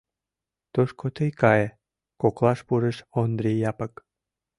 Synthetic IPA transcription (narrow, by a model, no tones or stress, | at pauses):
t̪oʃkʰot̪əjkɑje | koklˠɑʃpuɾəʃond̪ɾijɑpək